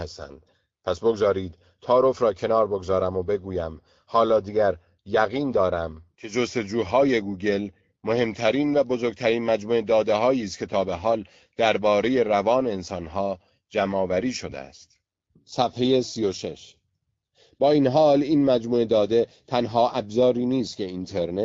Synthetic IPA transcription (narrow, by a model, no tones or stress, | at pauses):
æst̪æ̰ːnd̪̥̚ | pʰæsbo̞ɡzɒːɾiːd̪̥ | t̪ʰɒːɾo̞fɾɒːcʰe̞nɒːɾbo̞ɡzɒːɾæmobe̞ɡuːjæm | hɒːlɒːd̪iːɟæɾ | jæɣiːnd̪ɒːɾæmcʰe̞d͡ʒo̞st̪e̞d͡ʒuːɦɒːje̞ɡuːɟe̞l | mo̞he̞mt̪ʰæɾiːnvæbo̞zoɾɡ̚t̪ʰæɾiːnmæd͡ʒmuːed̪ɒːd̪e̞ɦɒːjiːst̪cʰe̞t̪ʰɒːbe̞ɦɒːl | d̪̥æɾbɒːɾe̞je̞ɾævɒːne̞ːnsɒːnɦɒː | d͡ʒæmɒːvæɾiːʃo̞d̪ḛæ̰st̪ | sæfhe̞je̞siːjoʃe̞̰ʃ | b̥ɒːiːnɦɒːliːnmæd͡ʒmuːed̪ɒːd̪e̞ | t̪ʰænɦɒːʔæbzɒːɾiːniːst̪cʰe̞int̪ʰe̞ɾne